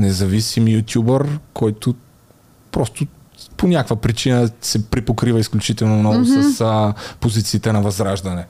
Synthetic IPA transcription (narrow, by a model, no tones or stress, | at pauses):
nɛzɐvisimjut̪ʲjubəɾkɔjt̪ʊ | pɾɔst̪ʊ | ponʲakvəpɾit͡ʃinəsɛpɾipokɾivəisklʲut͡ʃit̪ɛlˠnomnɔɡʊsɐspozit̪siːt̪ɛnɐvɐzɾaʒd̪ɐnɛ